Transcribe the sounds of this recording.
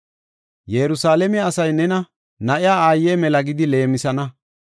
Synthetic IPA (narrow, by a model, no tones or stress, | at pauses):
jɛɾʊsaːlɛmɛɐsɐjnɛnɐ | nɐʔɪjaːaːjːeːmɛlɐɡɪd̪ɪle̞ːmɪsɐnɐ